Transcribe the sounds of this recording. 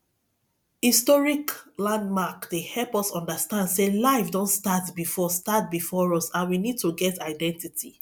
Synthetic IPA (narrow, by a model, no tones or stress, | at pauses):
histɔɹiklãndmakdehɛlpɔsɔ̃ndastãndselaɪfdɔ̃ntstatbifɔstat̚bifɔɹɔsãnwinid̚tuɡɛtaɪdɛ̃ntitʰi